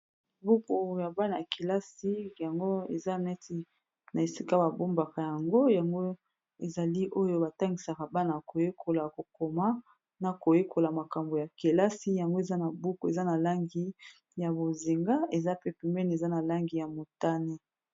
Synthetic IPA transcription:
bu˦ku˨ja˨ba˦na˨ja˨ke˨la˦si˦ja˨ŋɡo˦ḛ˨za˦nɛ˦ti˨ | na˨e˨si˦ka˦ba˨bo˦mba˨ka˨ja˨ŋɡo˦ja˨ŋɡo˦ | e˨za˨li˦ʔo˦jo˦ba˨ta˦ŋɡi˨sa˨ka˨ba˦na˨ko˨je˦kʰo˨la˨ko˨ko˨ma˦ | na˨ko˨je˦kʰo˨la˨ma˨ka˨mbo˨ja˨ke˨la˦si˦ja˨ŋɡo˦e˨za˦na˨bu˦ko˨e˨za˦na˨la˦ŋɡi˦ | ja˨bo˨zi˨ŋɡa˦e˨za˦pe˦pi˨mɛ˦n˨e˨za˦na˨la˦ŋɡi˨ja˨mo˨ta˦ne˦

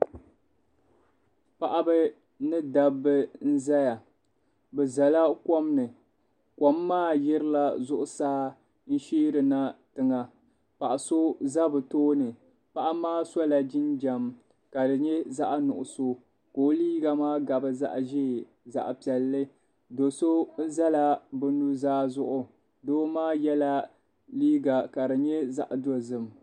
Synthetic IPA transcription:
pa˨ʔa˦bɨ˦ | nɨ˦da˦bɨ˦n̩˦za˦ja˨ | bɛ˨za˨la˦ko˦mnɨ˨ | ko˨mːaː˦˨jɛ˦ɾɨ˦la˦zʊ˦ʔʊ˦saː˦ | n̩˦ʃiː˦ɾɨ˨na˦tɨ˨ŋa˨ | pa˨ʔa˨so˦za˦bɨ˨toː˦nɨ˨ | pa˦˨ʔa˦maː˦sɔ˦la˨d͡ʒɪ˦nd͡ʒa˨m | ka˨dɨ˨ɲɛ˦za˦ʔnʊ˨ʔʊ˨so˦ | koː˦liː˦ɡa˨maː˦ɡa˨bɨ˦za̰˦ʔʒeː˦˨ | za̰˨ʔpi˨ɛ˨lːɨ˦ | do˨so˦za˦la˨bɨ˦nu˦zaː˦zʊ˦ʔʊ˨ | doː˦maː˦jɛ˦la˦ | liː˦ɡa˨ka˨dɨ˨ɲɛ˦za̰˦ʔdo˦zɨ˦m˨

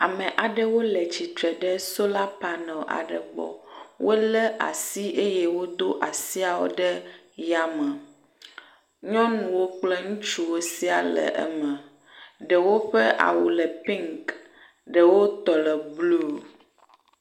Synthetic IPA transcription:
a˨mɛ̃˨ʔa˨ɖɛ˦wo˦lɛ˨t͡ɕi˨t̪ɾɛ˨ɖɛ˦so˦la˦pa˨nɛ̃˨ʔa̰˨ɖə˨ɡ͡bɔ̰˨wo˦lɛ˦ʔa̰˨si˦ʔe˦je˦wo˦d̪o˦ʔa˨si˦a˨wo̰˦ɖɛ˦ | ja˦mə̃˨ | ɲɔ̃˦nũ˨wo˦k͡plɛ˦ŋũ˦t͡ʃu˦wo˦si˦a˨lɛ̰˨ʔɛ̰˦mɛ̃˨ | ɖɛ˨wo˦ɸɛ˦ʔa̰˨wu˨lɛ˨pi˦ŋk | ɖə˨wo˦t̪ɔ˨lɛ˨blu˦˨

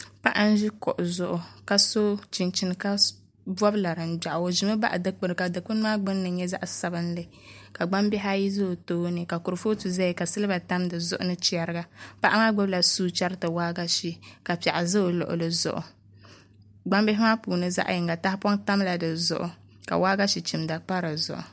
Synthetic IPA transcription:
pa˦ʔa˦n̩˦ʒi˦kɔ̰˨ʔʊ˨zʊ˨ʔʊ˨ka˨so˦t͡ʃi˨nt͡ʃi˨n˨ka˦ | bɔ˦bla˨ɾɨ˨n̩˨da˨ʔo˨ʒi˨mɨ˦ba̰˦ʔdɨ˦k͡pɨ˦ɾka˨dɨ˨k͡pu˦n˦maː˦ɡ͡bɨ˦nːɨ˨˦ɲɛ˦za̰˦ʔsa˨bɨ˦n˦lɨ˦ | ka˨ɡ͡ba˦mbɛ˦ɦa˦ji˦zɨ˦o˨toː˦nɨ˨ka˨ku˨ɾɨ˨fo˦tu˨za˦ji˨ka˨sɨ˦lɨ˦ba˨ta˦mdɨ˨zʊ̰˦ʔʊ˦nɨ˦t͡ʃi˦a˨ɾɨ˦ɡa˦pa˦ʔa˦maː˦ɡ͡bɔ˦bla˨suː˦t͡ʃa˦ɾtɨ˨waː˦ɡa˦ʃi˦ka˨pa˨ʔa˨zɨ˦o˨lʊ̰˨ʔʊ̰˨lɨ˦zʊ̰˨ʔʊ̰˨ | ɡ͡ba˦mbɪ˦ɦɪ˦maː˦puː˨nɨ˦za̰˦ʔji˨ŋɡa˨ta˦hpɔ˦ŋta˦mla˨dɨ˨zʊ̰˦ʔʊ˨ | ka̰˨waː˦ɡa˦ʃi˨t͡ʃi˨mda˨k͡pa˦ɾɨ˨zʊ̰˨ʔʊ̰˨

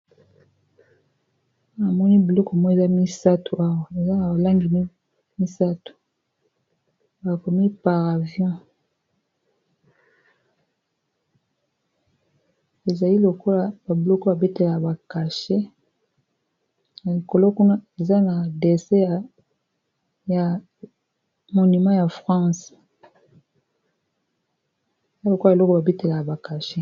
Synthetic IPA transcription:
a˨mɔ˦ni˦bi˨lɔ˦ko˨mɔ˦e˨za˦mi˦sa˦tu˨ʔa˦wa˨e˨za˦na˨ba˨la˦ŋɡi˨m˦ | mi˦sa˦tu̥˨ | ba˨ko˨mi˦pa˨ʁa˨vjɔ̃˦ | e˨za˨li˦lo˨ko˦la˨ba˨blɔ˦ko˦ba˨be˦te˨la˨a˨ba˨ka˨ʃe˦ | na˨li˨ko˨lo˦ku˦na˦e˨za˦na˨de˨se˦a˨ | ja˨ | mo˨ni˨mã˦ja˨fʁɑ̃˦s | za˦lo˨ko˦˨lɔ˦ko˦ba˨be˦te˨la˨ka˨ba˨ka˨ʃe˦

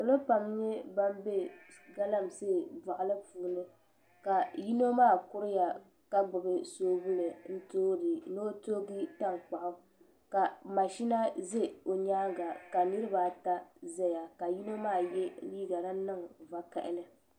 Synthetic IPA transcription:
o˨lɨ˦pa˨mɲɛ˦ba˦m˦be˦ | ɡa˦la˦mseː˦˨ba˨ʔlɨ˦puː˨nɨ˦ | ka˨ji˦no˦maː˦˨kʊ˦ɾɪ˦ja˨ | ka˦ɡ͡bʊ˨bɨ˦soː˦bʊ˦lɨ˨n̩˦toː˦dɨ˨no˦toː˦ɡi˦ta˦ŋk͡pa˨ʔʊ˦ | ka˨ma˨ʃi˦na˦ze˦o˨ɲaː˦ɡa˨ka˨nɨ˦ɾɨ˦ba˨ta˦zɛ˦ja˨ka˨ji˦no˦maː˦˨jɛ˦liː˦ɡa˨ɾa˦nɨ˦ŋ˨va˦ka˨ʔɪ̰˦nɨ˦

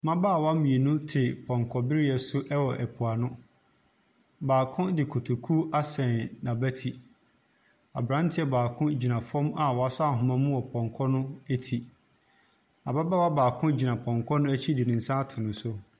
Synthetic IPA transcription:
mã˦ba˦˨wa˦mĩ˨e˨nʊ̃˦tʰɪ˨pʰɔ̃˨ŋ˨kʰɔ˨bɪ˦ɾɪ˦ɛ˨sʊ˦ʔɛ˦wɔ˨ʔɛ˨pʰu˨a˨nʊ̃˦ | baː˨kʰʊ̃˦dɪ˨kʰo˨tʰo˨kʰu˦a˦sɛ̃˨nnã˨bæ˦tʰi˨ | a̰˨bɾã˦n˦tʰɪ˦ɛ˨baː˨kʰʊ̃˦d͡ʑi˨nã˨fɔ̃˦ma˨wɔ˨a˨sʊ˦a˦˨ɦʊ̃˨mã˦mʊ̃˦wɔ˨pʰɔ̃˨ŋkʰɔ˦nʊ̃˦æ˦tʰi˨ | a˨ba˦ba˦˨wa˦baː˨kʰʊ̃˦d͡ʑi˨nã˨pʰɔ̃˨ŋkʰɔ˦nʊ̃˦æ˦t͡ɕʰi˦dɪ˨nɪ̃˨n̩˨˦sã˦tʰʊ˨nʊ̃˨sʊ˦

